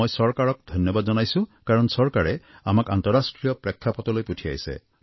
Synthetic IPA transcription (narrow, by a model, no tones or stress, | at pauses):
ojsɔɹkaɹɔk̚d̪ʱɔnjɔbad̪zɔnajsũkaɹɔnsɔɹkaɹɛamaka̰nt̪ɔɹasʈɹijɔpɹɛkʰːapɔt̪ɔlojputʰija̰jsḛ